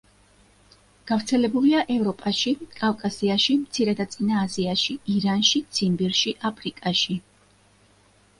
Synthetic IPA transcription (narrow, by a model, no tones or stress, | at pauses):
ɡ̥avɾt̪sʰɛlɛbuliaʔɛvɾɔpʼaʃikʼavkʼasiaʃimt̪sʰiɾɛd̪at̪sʼinaːziaʃiiɾanʃit̪sʰimbiɾʃiʔapʰɾikʼaʃi